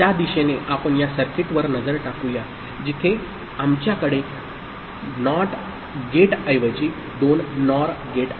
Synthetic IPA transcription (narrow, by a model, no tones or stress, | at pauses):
jad̪iɕeneʔapəɳjasəɾkiʈʋəɾnəd͡zəɾʈakuja | d͡ʑit̪ʰe | amt͡ɕjakəɽe | nɔʈ | ɡeʈəjʋət͡ɕiː | d̪onːɔɾɡeʈ